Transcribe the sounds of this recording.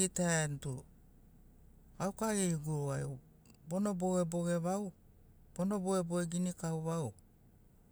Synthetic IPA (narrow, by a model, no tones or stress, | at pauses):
itaentu | awkaɾeiɡuɾuajo | bo̞no̞bo̞ɡebo̞ɡe̞βaw | b̥o̞no̞boeboeɡinikawβaw